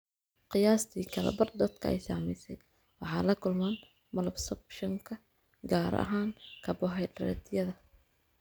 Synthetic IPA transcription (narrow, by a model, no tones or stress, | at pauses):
qɪjaːst̪ʰiːkʰɐlɛ̰bɐrd̪ɔd̪kʰɐɛ̰jsaːmɛjsɛj | wɑħɑːlɐkʰʊlmaːn | mɐlɐbsɐbʃɐŋkʰɐ | ɡaːɾɐ̰ɦaːŋkʰɐbɔɦɛjɖɐɾɛ̰t̪ʰjɐðɐ